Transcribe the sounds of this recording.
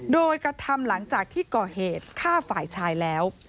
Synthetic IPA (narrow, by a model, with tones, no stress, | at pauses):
doː˧jkɾa˧t̪ʰa˧mla˩˦ŋt͡ɕaː˨˩k̚t̪ʰiː˥˩kɔː˨˩heː˨˩t̪̚kʰaː˥˩faː˨˩jt͡ɕʰaː˧jlɛː˦˥w